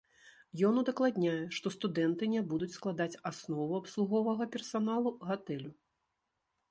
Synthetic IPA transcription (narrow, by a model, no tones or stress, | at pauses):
jɔnud̪ɐklˠad̪ʲnʲajɛʂt̪ɔst̪ud̪ɛnt̪ɨnʲɛbud̪ut͡sʲsklˠad̪at͡sʲasnɔvuapslˠuɣɔvɐɣɐpʲɛrsanalˠuɣat̪ɛlʲu